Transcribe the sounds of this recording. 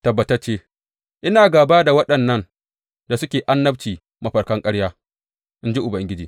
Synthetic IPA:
tɐ˨bːɐ˨tɐ˦t͡ʃeː˦ | ʔɪ˦naː˨ɡaː˨baː˦da˨wɐ˦ɗɐ˨nːɐ˦n | da˨sʊ˦kʲeː˨ʔa˦nːɐ˦bt͡ʃiː˨ | mɐ˦ɸɐ˨ɽkɐ˦ŋkʼɐ˦ɽjaː˦ | ʔɪ˦nd͡ʒi˦ʔʊ˨bɐ˨ŋɡʲɪ˦d͡ʒḭː˨

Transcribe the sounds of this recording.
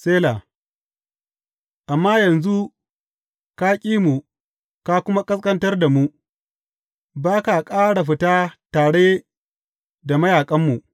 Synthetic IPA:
seː˦laː˨ | ʔa˨mːaː˦jɐ˨nzu˦ | ka˦kʲʼiː˦mu˨ | ka˦kʷʊ˦ma˦kʼɐ˦skʼɐ˦ntɐ˦rda˨mu˦ | baː˦ka˨kʼaː˦ɽa˨ɸ̬ɪ˨taː˦taː˨ɽe˦ | da˨mɐ˦jaː˨kʼɐ˦mːu˨ʔ

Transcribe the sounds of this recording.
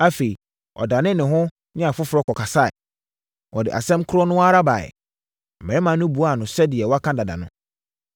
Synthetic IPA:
a˦fe˨i˨ | ɔ̰˨da˨nɪ̃˦nɪ̃˨ɦʊ̃˦ | ɲɛ̃˦a˨fʊ˦fʊ˨ɾɔ˦kʰɔ˨kʰa˨sa˦ɛ̰˨ | wɔ˨dɪ̰˨ʔa̰˨sɛ̃˦mkʰʊ˦ɾɔ˦nʊ̃˦wa˦ɾa˦ba˨ɛ̰˨ | mɛ̃˨ɛ˦mã˨˦nʊ̃˦bu˨a˨nʊ̃˨sɛ˦dɪ˨ɛ˨wɔ˦a˦kʰã˦da˨da̰˨nʊ̰̃˦

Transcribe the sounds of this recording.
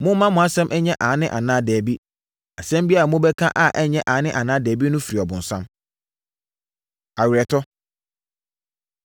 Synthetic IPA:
mʊ̃˦mã˦mʊ̃˨a˦sɛ̃˦mʔɛ˦ɲɛ̃˦ʔãː˨˦nɪ̃˦ʔa˨nãː˦dɛː˨bi˦ | a˨sɛ̃˦m˦bi˦a˦˨mʊ̃˦bɛ˦kʰã˦ʔa˨ʔɛ˦ɲɛ̃˦ʔãː˨˦nɪ̃˦ʔa˨nãː˦dɛː˨bi˦nʊ̃˦fi˨ɾi˨ɔ˨bʊ̃˨n̩˨sã˦m | a˨ɥɾɛ˨tʰɔ˦

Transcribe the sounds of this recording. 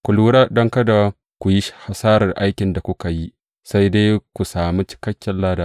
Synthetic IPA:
kʷu˨luː˦ɽaː˦dɔ˦ŋkɐ˦da˨ | kʷu˨ji˦ʃha˨saː˦ɾɐ˨rʔa˦jkʲɪ˨nda˨kʷʊ˦ka˨ji˦ | sa˦jde˦kʷu˨saː˨mi˦t͡ʃɪ̥˦kɐ˦kʲːɛ˨llaː˦daː˦

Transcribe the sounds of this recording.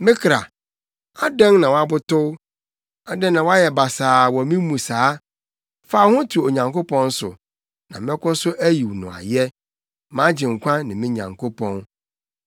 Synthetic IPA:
mɪ̃˦kʰɾa̰˨ | a˦dɛ̃˦ŋnã˨wa˦bʊ˦tʊ˦w | a˨dɛ̃˦nnã˨wa˦jɛ˨ba˨saː˨wɔ˨mĩ˦mũ˨saː˨˦ | fa˦˨˦hʊ̃˦tʰu˨o˨ɲã˨ŋko˦pʰɔ̃˦n˦sʊ̰˨ | nã˨mɪ̃˦kʊ̃˦sʊ˦ʔæ˦ji˨wnʊ̰̃˨a̰˨jɛ˦ | mã˦d͡ʑɪ̃˨ŋ̩˨kʷʰã˦nɪ̃˨mɪ̃˦ɲã̰˨ŋkʰo˦pʰɔ̃˦n

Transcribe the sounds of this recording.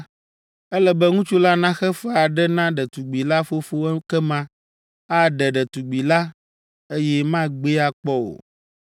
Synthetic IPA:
ɛ˦lɛ˦bɛ˦ŋũ˦t͡ʃu˦la˦nã˦xɛ˦fɛ˦a˨ɖɛ˦nã˦ɖɛ˨t̪u˨ɡ͡bi˨la˦fo˦fo˦kɛ˦mã˦ | a˦ɖɛ˨ɖɛ˨t̪u˨ɡ͡bi˨la˦ | e˦jɛ˦mã˦ɡ͡be˦a˨k͡pɔ˦o̰˨

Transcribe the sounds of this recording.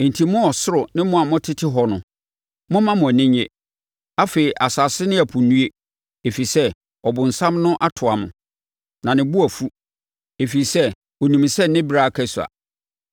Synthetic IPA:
n˨tʰi˨˦mʊ̃˦ɔ˨sʊ˦ɾʊ˨nɪ̃˦mʊ̃˦a˨mʊ̃˦tʰɪ˦tʰɪ˦ɦɔ˨nʊ̰̃˨ | mʊ̃˦mã˦mʊ̃˨æ˨nɪ̃˦ɲɛ̰˨ | a˦fe˨i˨ʔa˨sa˨sɪ˦nɪ̃˦æ˨pʰʊ˨nũ˦e˦ | e˨fi˨sɛ˦ | ɔ˨bʊ̃˨n̩˨sã˦mnʊ̃˦ʔa˦tʰʊ˨a˨mʊ̰̃˨ | nã˨nɪ̃˨bʊ˦æ˨fu˦ | e˨fi˨i˨sɛ˦ | wɔ˨nũ˨m˨sɛ˦nɪ̃˦bɾa˦a˨kʰɛ˦su˨a̰˨

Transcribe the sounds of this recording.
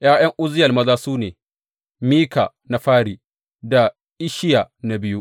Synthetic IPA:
jaː˦j̰ɐ˦ŋʔʊ˦zɪ˦jɐ˨lmɐ˦zaː˦suː˦neː˨ | miː˦ka̰˨ | na˦ɸaː˦ɽiː˨ | da˨ | ʔɪ˦ʃɪ˦ja˨na˨bɪ˦ju˦ʔ

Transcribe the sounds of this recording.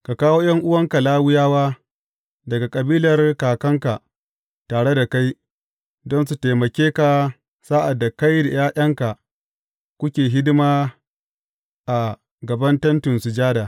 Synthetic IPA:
ka˨kaː˦woː˦j̰ɐ˦ŋʔʊ˦wɐ˦ŋka˨laː˦wʊ˦jaː˦waː˦ | dɐ˨ɡa˨kʼɐ˨biː˦lɐ˨rkaː˨kɐ˦ŋka˨ | taː˨ɽe˦da˨ka˦j | dɔ˦nsu˨teː˨mɐ˨kʲeː˦ka˨ | saː˦ʔa˨dːa˨ka˦jda˨jaː˦ʔʲɐ˦ŋka˨ | kʷʊ˦kʲeː˨ɦɪ˦dɪ˦maː˦ | ʔa˨ | ɡɐ˨bɐ˦ntɐ˦ntʊ˨nsʊ˨d͡ʒaː˦daː˨

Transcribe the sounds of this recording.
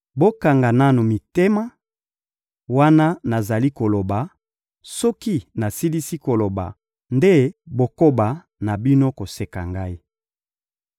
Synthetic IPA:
bo˦ka˨ŋɡa˨na˦nu˨mi˨te˦ma˦ | wa˦na˦na˨za˨li˦ko˨lo˨ba˨ | sɔ˦ki˦na˨si˦li˦si˦ko˨lo˨ba̰˨ | nde˦bo˨ko˦ba˨ | na˨bi˦no˦ko˨se˨ka̰˨ŋɡa˦i˦

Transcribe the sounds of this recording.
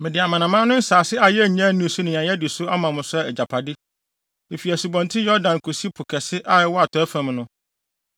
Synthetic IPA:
mɪ̃˨dɪ˨a˨mã˨nã˨mã˦nʊ̃˦n̩˦saː˨sɪ˦a˨jɛ˦˨ɲ˦ã˦˨nʊ̃˦˨su˦nɪ̃˨ɲã˨jɛ˦dɪ˨sʊ˦a˦mã˨mʊ̃˨sʊ˦ɛ˦ɛ˨d͡ʑa˨pʰa˨dɪ˦ | e˨fi˨æ˨su˨bɔ̃˨ntʰɪ̃˦jɔ˦ɾdã˨nkʰo˨si˦pʰʊ˨kʰɛ˨sɪ˦ʔa˦ɛ˨˦wɔ˦a˨tʰɔ˨˦æ˦fã˨mnʊ̃˦

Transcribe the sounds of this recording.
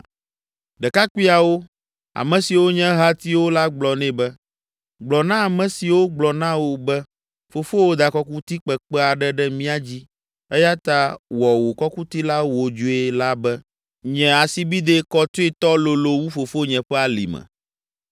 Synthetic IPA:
ɖɛ˨ka˦kʷi˦a˨wo˦ | a̰˨mɛ̃˨si˨wo˦ɲɛ̃˦ɦa˦t̪i˦wo˦la˦ɡ͡blɔ˨nɛ̃˦bɛ˦ | ɡ͡blɔ˨nã˦a˨mɛ̃˨si˨wo˦ɡ͡blɔ˨nã˦wo˨bɛ˦ | fo˨fo˦wo˦d̪a˨kɔ˦ku˦t̪i˦k͡pɛ˨k͡pɛ˦a˨ɖɛ˦ɖɛ˦mĩ˦a˦d͡ʑi˦ | ɛ˦ja˦t̪a˦wɔ˨wo˨kɔ˦ku˦t̪i˦la˦wo˨d͡ʒo˦e˦la˦bɛ˦ | ɲɛ̃˨a˨si˨bi˦d̪e˦kɔ˦t̪o˦e˦t̪ɔ˦lo˨lo˨wu˦fo˨fo˦ɲɛ̃˨ɸɛ˦a˨lḭ˨mɛ̰̃˨

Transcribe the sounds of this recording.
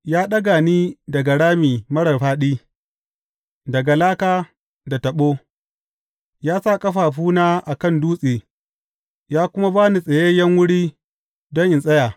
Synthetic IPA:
jaː˦ɗɐ˦ɡaː˨niː˦dɐ˨ɡa˨ɽaː˦miː˨mɐ˦ɽɐ˨rɸaː˦ɗiː˦ | dɐ˨ɡa˨laː˦kaː˦ | da˨tɐ˨ɓoː˦ | jaː˦sa˦˨kʼɐ˦ɸaː˨ɸuː˦naː˦ʔa˨kɐ˦˨nduː˦sʼeː˨ | jaː˦kʷʊ˦ma˦baː˦ni˨sʼɐ˨je˦jɐ˦ŋwʊ˦ɽiː˦ | dɔ˦ŋʔɪ˨nsʼɐ˦jaː˨

